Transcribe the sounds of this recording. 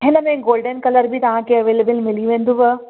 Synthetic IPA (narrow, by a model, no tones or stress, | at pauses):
ɦɪnəmẽɡoːlɖənkɐləɾbʱit̪ɐʋ̤ãkʰeɐʋeːleːbəlmɪliʋẽːnd̪ũʋɐ